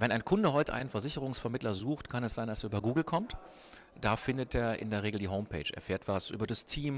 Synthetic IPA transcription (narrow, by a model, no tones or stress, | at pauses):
vɛnaɪnkʰʊndəɦɔʏtəʔaɪnənfɛɐzɪçəʁʊŋsfɛɐmɪtlɐzuːxtkʰanɛsz̥aɪndaseːɐyːbɐɡuːɡl̩kʰɔmt | d̥aːfɪndətʔeːɐʔɪ̰ndeːɐʁ̞eːɡl̩diːɦoʊmpʰḛːt͡ʃḛːɐfeːɐtv̥asʔy̰ːbɐdastʰiːm